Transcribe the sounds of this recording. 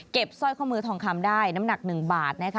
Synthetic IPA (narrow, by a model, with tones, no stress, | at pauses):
ke˨˩p̚sɔː˥˩jkʰɔ˥˩mɯː˧˩t̪ʰɔː˧ŋkʰa˧˥mdaː˥˩jna˦˥mna˨˩k̚nɯ˨˩ŋbaː˨˩t̪̚na˦˥kʰ